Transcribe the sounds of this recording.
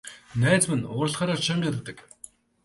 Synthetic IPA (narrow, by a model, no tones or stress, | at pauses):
næːt͡smɘ̆nʊːrɾə̆ɮχaːɾaːʃamʲaɾ̆t̪ːə̆k